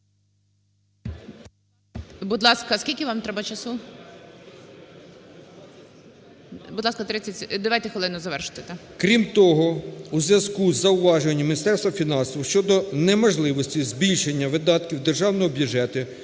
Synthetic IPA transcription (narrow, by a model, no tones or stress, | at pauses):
bʊd̪lˠɑskɐskʲilʲkʲɪʋɑmt̪ɾɛbɐt͡ʃɐsu | bʊd̪lˠɑskɐt̪ɾɪt͡sʲɐtʲd̪ɔʋajt̪ɛxʋɔlˠɪnʊzɐʋɛrʃʊ̥t̪ɛt̪ɐ | kɾʲimt̪ɔɦɔuzʲʋʲjɐzkuzɐʊʋɑʒenʲːɐmʲinʲist̪ɛrst̪ʋɐfʲinɑnsɔwʃt͡ʃɔd̪ɔnɛmɔʒlˠɪʋɔsʲtʲizʲbʲilʲʃenʲːɐʋɪd̪ɑt̪kʲiwd̪erʒɑwnɔɦɔbʲjuʒɛt̪ʊ